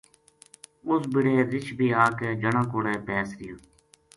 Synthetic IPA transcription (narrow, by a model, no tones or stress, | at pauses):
ʊsbɪɽeːɾɪt͡ʃʰbʱiːaːkeːd͡ʒəɳãːkoːɽeːpɛːsɾɪjãː